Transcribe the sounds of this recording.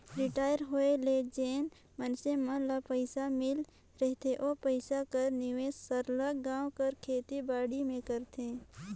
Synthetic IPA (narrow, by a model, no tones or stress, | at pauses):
ɾɪʈaːjəɾɦoeled͡ʒeːn | mənsemə̃lapəɪsamɪl | ɾɛɦt̪ʰeʔoːpəɪsakəɾnɪʋeːsəɾlaɡãːw̃kəɾkʰeːt̪ibaːɽimẽkəɾt̪ʰẽː